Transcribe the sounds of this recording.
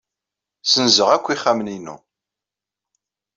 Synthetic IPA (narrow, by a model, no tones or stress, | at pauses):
sənzəʁækʷːiχːæməninːṵ